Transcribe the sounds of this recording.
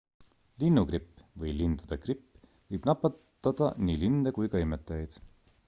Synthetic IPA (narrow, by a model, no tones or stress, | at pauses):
linːukripːvɤjlind̪ud̪̥ɑkripː | vɤjb̥nɑpːˑɑt̪ːɑd̪̥ɑ̰niːlind̪ekujkɑjmet̪ːˑɑjjd̪̥